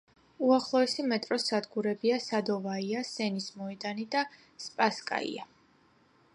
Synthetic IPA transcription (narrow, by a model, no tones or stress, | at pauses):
uaχlˠɔɛsimɛt̪ʼɾɔsad̪ɡuɾɛbiasad̪ɔvaiasɛnismɔɛd̪anid̪a | spʼaskʼa̰ḭa